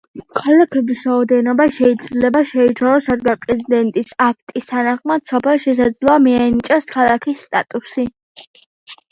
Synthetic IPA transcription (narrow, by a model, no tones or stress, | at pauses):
kʰalakʰɛbisɾaɔd̪ɛnɔbaʃɛid̪zlɛbaʃɛit͡ʃʰalɔsad̪ɡapʼɾɛzid̪ɛnt̪ʼisak̚ʰt̪ʼist̪ʰanaχmad̪̥sɔpʰɛlˠʃɛs̬ad̪zlˠɔamianit͡ʃʼɔskʰalˠakʰisːt̪ʼa̰t̪ʼusi